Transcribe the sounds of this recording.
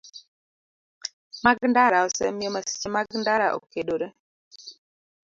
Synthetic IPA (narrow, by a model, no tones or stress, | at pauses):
maɡndaɾaɔsɛ̰mɪɔmasi̥t͡ʃemaɡndaɾaʔo̰kedoɾe